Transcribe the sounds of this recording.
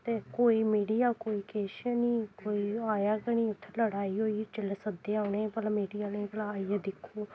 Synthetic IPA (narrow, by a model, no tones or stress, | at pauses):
t̪eːkoːiːmiːɽijaːkoːiːkeːʃəniːkoːiːaːjaːkəɳ̃iːʊt̪ʰːeləɽaːiːɦoːiːt͡ʃɪlsəd̪eːaːʊɳẽːpəlamiːɖijaːnẽːpəlaːiaːd̪ɪkʰːoː